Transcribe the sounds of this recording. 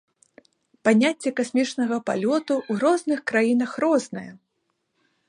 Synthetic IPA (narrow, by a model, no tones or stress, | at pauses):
panʲat͡sʲːɛkasʲmʲit͡ʂnɐɣɐpa̰lʲɔt̪uwɣɾɔznɨxkɾajin̪ɐxrɔznɐjɛ̰